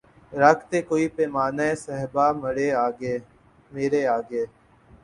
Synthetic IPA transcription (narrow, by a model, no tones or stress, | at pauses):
ɾəkʰt̪eːkoːiːpeːmaːnaesəɦbaːməɽeːaːɡeː | meːɾeːaːɡeː